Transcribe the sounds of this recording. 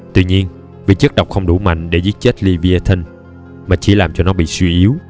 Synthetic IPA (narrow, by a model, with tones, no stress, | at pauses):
t̪wḭ˧ɲi˧ən | vḭ˧˨t͡ɕə˦˥k̚ɗə˨˩wk͡p̚xə˧wŋ͡mɗu˧˩ma̰˧˨jŋ̟ɗe˧˩˦zi˦˥t̚t͡ɕe˦˥t̚li˧vi˧a˧t̪ʰə˧n | maː˨˩t͡ɕi˧˩˦laː˨˩mt͡ɕɔ˧nɔ˨˦ɓḭ˧˨swi˧ʔi˨˦əw